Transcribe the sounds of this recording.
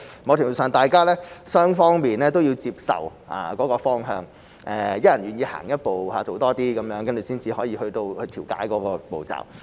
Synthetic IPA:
mɔ˨˧wt̪ʰɪ˨˩wu˨˩sœː˨ŋt̪aː˨jkaː˥lɛː˥sœː˥ŋfɔː˥ŋmiː˨nlɛː˥t̪̬o˥wji˧wt͡siː˧p̚sɐ̰˨w | ʔa̰ː˨˩kɔː˨˥kɔː˧fɔː˥ŋɦœː˧ŋ | ʔɛː˨˧jɐ˥t̚jɐ˨˩nɥyː˨˩njiː˧ha̰ː˨˩ŋjɐ˥t̚po˨˩whaː˨˧˩t͡so˨wt̪ɔː˥t̪iː˥kɐ˨˥mjœː˨˥ŋkɐ˥nt͡sy˨˩siː˥nt͡siː˧hɔː˨˥jiː˧hɵ˧ɥt̪o˧whɵ˧t̪ʰiː˨˩wka̰ː˨˥jkɔː˨˥kɔː˧po̰˨wt͡sa̰ː˨˩w

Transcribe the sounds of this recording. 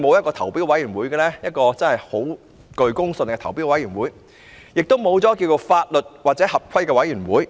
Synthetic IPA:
mo˨˧wjɐ˥t̚kɔː˧t̪ʰɐ˨˩wpiː˥wɐ˨˥jyː˨˩nwuː˨˥jɡɛː˧lɛː˥jɐ˥t̚kɔː˧t͡sɐ˥nhɐ˨jho˨˥w | kɵ˨˧ɥkʊ˥ŋsə˧nkɛː˧t̪ʰɐ˨˩wpiː˥wɐ˨˥jyː˨˩nwuː˨˥j | jɪ˨k̚t̪o˥wmo˨˧wt͡sɔ˨˥k̬iː˧wt͡so˧faː˧t̚lɵ˨t̚waː˨t̚t͡sɛː˨˥hɐ˨p̚kʰɐ˥jkɛː˧wɐ˨˥jyː˨˩nwuː˨˥j

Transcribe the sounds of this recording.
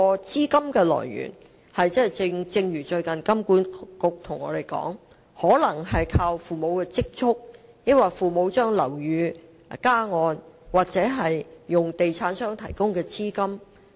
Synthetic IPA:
ɔː˧t͡siː˥kɐ˥mkɛː˧lɔ̰ː˨˩jɥy̰ː˨˩n | hɐ˨jt͡sɐ˥˨˩jt͡sɪ˧t͡sɪ˧ŋjyː˨˩t͡ʃɵ˧ɥkɐ˨nkɐ˥mkuː˨˥nkʊ˨k̚t̪ʰʊ˨˩ŋɔ̰ː˨˧ɾe˨jkɔ̰ː˨˥ŋ | hɔː˨˥lɐ˨˩ŋɦɐ˨jkʰaː˧wfuː˨mo˨˧wkɛː˧t͡sɪ˥k̚t͡sʰʊ˥k̚ | jɪ˥k̚waː˨jfuː˨mo˨˧wt͡ʃœː˥ŋlɐ˨˩wjyː˨˧ | kaː˥ŋɔː˧nwaː˨k̚t͡sɛː˨˥ɦɐ˨jːʊ˨ŋt̪e˨jt͡sʰaː˨˥nsœː˥ŋt̪ʰɐ˨˩jkʊ˥ŋkɛː˧t͡siː˥kɐ˥m

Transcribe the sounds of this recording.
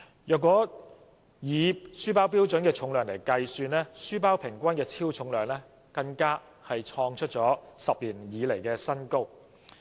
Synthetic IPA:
jœː˨kʷɔː˨˥ | jiː˨˧syː˥paː˥wp̬iː˥wt͡sɵ˨˥nkɛː˧t͡ʃʰʊ˨˧ŋlœː˨˧ŋle˨˩jkɐ˧jsyː˧nlɛː˥syː˥paː˥wpʰɪ˨˩ŋkʷɐ˥nkɛː˧t͡sʰiː˥wt͡sʰʊ˨˧˥ŋlœː˨ŋlɛː˥ | kɐ˧ŋkaː˥ | hɐ˨jt͡ʃʰɔː˧ŋt͡ʃʰɵ˥t̚t͡ʃɔː˨˥sɐ˨p̚liː˨˩njiː˨˧le˨˩jkɛː˧sɐ˥nko˥w

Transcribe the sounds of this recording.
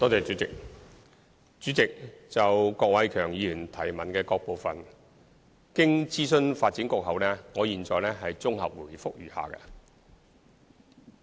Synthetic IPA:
t̪ɔː˥t͡seː˨˩jt͡ʃyː˨˥t͡sɪ˨k̚ | t͡ʃyː˨˥t͡sɪ˨k̚t͡sɐ˨wkɔː˧k̚wɐ˨˧jkʰœː˨˩ŋjiː˨˧jyː˨˩nt̪ʰɐ˨˩jmɐ˨nkɛː˧kɔː˧k̚po˨˧wfɐ˨n | kɪ˥ŋt͡siː˥sɵ˥nfaː˧t̚t͡siː˨˥nkʊ˧˥k̚ɦɐ˨wlɛː˥ŋɔː˨˧jiː˨nt͡sɔː˨jlɛː˥ɦɐ˨jt͡sʊ˥ŋɦɐ̰˨p̚wu˨˩jfʊ˥k̚jyː˨˩ha̰ː˨kɛ̰˧

